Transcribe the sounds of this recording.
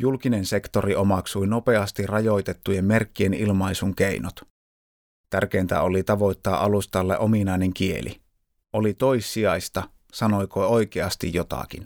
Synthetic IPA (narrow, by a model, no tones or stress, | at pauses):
julkinense̞kt̪o̞riʔomɑksujno̞pe̞ɑst̪irrɑjo̞jt̪e̞t̪ːujemme̞rkːienilmɑisuŋkeinot̪ | t̪ærk̟eint̪æ̰olit̪ɑʋo̞jt̪ːɑːʔɑlust̪ɑlːḛʔominɑˑjne̞ŋk̟ie̞̰lḭ | ʔolit̪o̞isːiɑjst̪ɑ | sɑnojkʰoojk̟eɑst̪ḭjjot̪ɑ̰k̟ḭn